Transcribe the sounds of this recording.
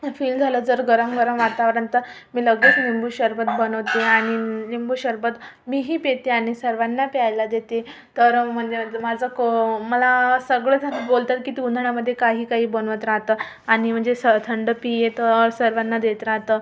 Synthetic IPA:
fiːld͡zʱaləːd͡zəɾɡəɾəmɡəɾəmʋaɾt̪aʋəɾənt̪ə | miːləɡlet͡snimbuɕəɾbət̪̚bənəʋt̪eaɽ̃inimbuːɕəɾpət̪ | miːɦiːpet̪eaɽ̃isəɾʋanːapajlad̪et̪e | t̪əɾm̤əɳd͡zemad͡zʱəkməlasəɡɭet̪ʰabolt̪at̪kiːt̪iund̪ʱəɳjaməd̪ʱːjekaɦiːkaɦiːbənʋət̪ɾaɦt̪ə | aɽ̃im̤əɳd͡zesət̪ʰəɳɖəpijet̪əsəɾʋanːad̪et̪ɾaɦt̪ə

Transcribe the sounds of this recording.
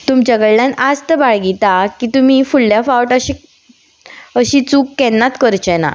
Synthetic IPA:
t̪umt͡ɕəɡəɭljanad͡zt̪əbaɭɡit̪akit̪um̤ifuɭːjafawʈəɕi | əɕit͡suːkːɛnːat̪kəɾt͡ɕɛna̰

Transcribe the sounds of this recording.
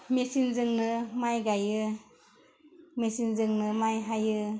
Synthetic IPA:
mesinzɯŋnɯmajɡajɯ | mesinzɯŋnɯmajɦajɯ

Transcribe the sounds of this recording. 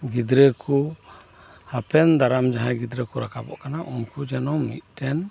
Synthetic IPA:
ɡid̪ɾɛkʰu | hapʰɛnd̪aɾamd͡ʒaɦãɡid̪ɾɛkɔɾakʰabɔ̰ʔkanaʔunkud͡ʒɛnɔmḭt̪̚ˀt̪ɛn

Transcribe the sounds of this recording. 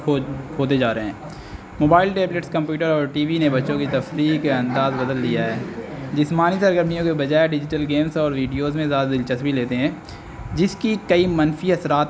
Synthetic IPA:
oːt̪̬ed͡ʒaːɾeɦɛ̃ː | moːbaːɪlʈeːbleʈskɐ̃mpjuːʈəɾɔːɾʈiːʋinebɐtːʃõkit̪ɐfɾiːkeɐ̃nd̪aːzbɐd̪əlːijaɦɛːd͡ʒɪsmaːnisɐɾɡəɾmijõkebɐd͡ʒaːeɖɪd͡ʒɪʈəlɡeːmsɔːɾʋiːɖijoːzmẽzjaːd̪ad̪ɪlt͡ʃəsbʱileːt̪eɦɛ̃ː | d͡ʒɪskikɐimɐnfiɦɐsɾaːt̪

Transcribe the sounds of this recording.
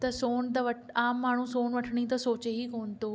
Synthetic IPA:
t̪ɐsoːnt̪ɐʋɐ | aːmːaːɳ̤usoːnʋɐʈʰəɽ̃it̪ɐsoːt͡ɕeɦikoːnɪ̆t̪oː

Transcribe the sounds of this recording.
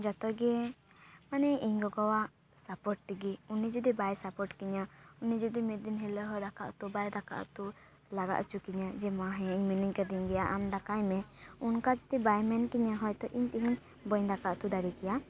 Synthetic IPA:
d͡ʒɔt̪ɔɡɛ | manɛiɲɡɔɡɔwaʔ | sapɔʈ̚t̪iɡiunid͡ʒɔd̪ibajsapɔʈkiɲəunid͡ʒɔd̪imed̪inɦɛləɦɔd̪aka̰ʔt̪ubajd̪aka̰ʔt̪u | laɡa̰ʔt͡ʃukiɲad͡ʒɛmãɦɛ̃iɲminiɲkad̪iɲɡɛjaʔamd̪akajmɛunkad͡ʒɔt̪ibajmɛnkiɲaɦɔjt̪ɔʔiɲt̪iɦiɲ | bɔjɲd̪akaʔt̪ud̪aɽikɛja

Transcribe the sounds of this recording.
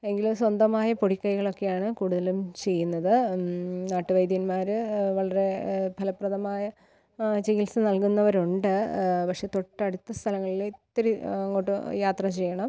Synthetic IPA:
e̞ŋɡilswɐnd̪ɐmaːjɐpoɽikʲːɐjiɣɐɭo̞kːe̞jaːɳɨkuːɽuðɐlumt͡ɕe̞jːunːɐðɨnaːʈːɨʋɐjd̪jɐnmaːɾɨʋɐɭɐɾe̞bʱɐlɐpːrɐðɐmaːjɐ | t͡ɕiɣilsɨnɐlkunːɐʋɐɾuɳɖɨpɐkʂe̞t̪oʈːɐɽut̪ːɐst̪ʰɐlɐŋːɐɭilit̪ːɐɾuɐŋːoːʈːɨjaːt̪rɐt͡ɕe̞jːɐɳɐm

